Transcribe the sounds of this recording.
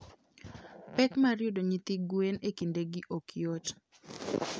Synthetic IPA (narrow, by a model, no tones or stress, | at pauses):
pɛkmaɾjodoɲit̪iɡwenekindeɡɪʔokjot